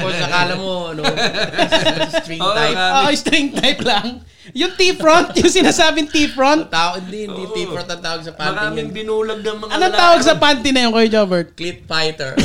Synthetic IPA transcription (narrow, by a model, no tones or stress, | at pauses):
posɐkaːlɐmoɐno | st̪ɾiŋt̪ajpoːʔost̪ɾiŋt̪ajplɐŋ | jʊŋt̪ifɹont̪jʊŋsɪnaːsaːbɪŋt̪ipɹont̪̚t̪aːwɐd̪ɪnt̪iiɾɔnt̪ɐt̪aːwɐɡ̚sɐpant̪ːnɪbɪnuːlɐɡ̚nɐŋmɐɐnoŋt̪aːwɐɡsɐpaːnt̪ɪnɐjʊŋkojd͡ʒoːbɛɹt̪̚klipfajt̪ɛɹ